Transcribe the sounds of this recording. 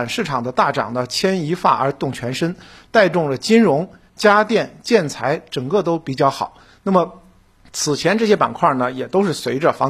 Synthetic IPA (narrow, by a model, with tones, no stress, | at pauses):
nʂɻ̩˥˩ʈ͡ʂʰɑ˨˩ŋd̪ə˦t̪a˥˩ʈ͡ʂɑ̰˨˩ŋd̪ə˦t͡ɕʰjɛ˥ni˧˥fa̰˥˩ə˞˧˥t̪ʊ˥˩ŋt͡ɕʰɥɛ˧˥nʂə˥nt̪a˥˧ɪʈ͡ʂʊ˥˩ŋlə˩t͡ɕi˥nɻʊ˧˥ŋ | t͡ɕja˥t̪jɛ˥˩nt͡ɕjɛ˥˩nt͡sʰa˧˥ɪʈ͡ʂɤ˨˩ŋkɤ˥˩t̪o˥ʊpi˨˩t͡ɕjɑ˥˩ʊxɑ˨˩˦ʊ | na˥˩mə˩ | t͡sʰɹ̩˨˩t͡ɕʰjɛ˧˥nʈ͡ʂɤ˥˩ɕjɛ˥pa̰˨˩nkʰwa˥˩nə˩jɛ˨˩t̪o˥ʊʂɻ̩˥˩swe˧˥ɪʈ͡ʂə˧fɑ˧˥